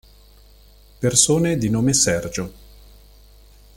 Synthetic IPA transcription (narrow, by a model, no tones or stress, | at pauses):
persoːned̪inoːmesɛrd͡ʒo